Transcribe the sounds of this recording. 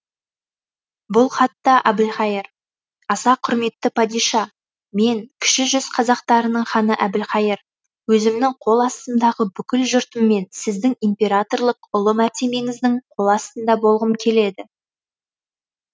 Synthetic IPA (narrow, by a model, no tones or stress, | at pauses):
bʊlˠχɑt̪ːɑʔɑbɪlχɑjɪɾ | ɑsɑqʰʊɾme̞t̪ːɪpʰɑd̪ijʃɑ | me̞ŋkʲʰɪ̥ʃɪʒʏzqʰɑzɑqt̪ɑɾənəɴχɑnəʔæbɪlχɑjɪɾ | wɵzɪmnɪŋqʰo̞lˠɑst̪ənd̪ɑʁəbʏkʲɪlʒʊɾt̪əmːe̞nsɪzd̪ɪŋimpʲe̞ɾat̪o̞rlˠəqʊlˠəmæɾt̪e̞me̞ŋɪzd̪ɪɴqʰo̞lˠɑst̪ənd̪ɑbo̞lˠʁəmkʲʰe̞le̞d̪ɪ